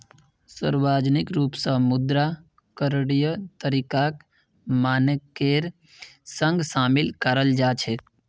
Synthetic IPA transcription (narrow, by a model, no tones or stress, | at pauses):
sə̰ɾwaːd͡ʒnɪkɾuːpsəmʊd̪ɾa | kəɾɽijət̪əɾikak | maːnəkeːɾ | sə̃ŋɡsaːmɪlkəɾəld͡ʒaːt͡ʃʰe